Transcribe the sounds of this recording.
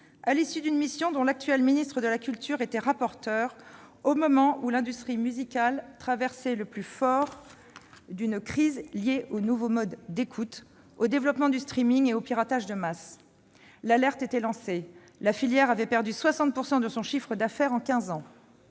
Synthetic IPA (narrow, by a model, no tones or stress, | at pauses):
alisyd̪ynmisjɔ̃d̪ɔ̃lak̚t̪ɥɛlminist̪χəd̪əlakʲylt̪yʁet̪ɛʁapɔʁt̪œʁomɔmɑ̃ʔulɛ̃d̪yst̪χimyzikʲalt̪χavɛʁsɛləplyfɔʁ | d̪ynkχizljeʔonuvomɔd̪ːekʰut̪ | od̪evlɔpmɑ̃d̪yst̪χimiŋeopiʁat̪aʒd̪əmas | lalɛʁt̪et̪ɛlɑ̃se | lafiljɛʁavɛpɛʁd̪yswasɑ̃t̪̚puʁsɑ̃d̪əsɔ̃ʃifχəd̪afɛʁɑ̃kʲɛ̃zɑ̃